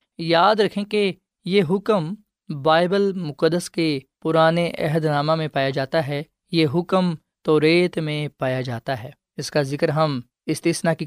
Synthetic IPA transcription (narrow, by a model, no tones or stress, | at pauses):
jaːd̪ɾɐkʰẽke | jeɦʊkəm | baːɪbəlmʊkəd̪əskepʊɾaːneʔɛ̰ɦəd̪naːmãmẽpaːjad͡ʒaːt̪aɦɛː | jeɦʊkəm | t̪ɔːɾeːt̪mẽpaːjad͡ʒaːt̪aɦɛː | ɪskazɪkəɾɦɐm | ɪst̪iːsnaki